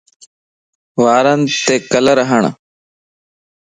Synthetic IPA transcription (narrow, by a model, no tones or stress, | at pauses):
ʋaːɾənt̪eːkələɾəɦəɳ̃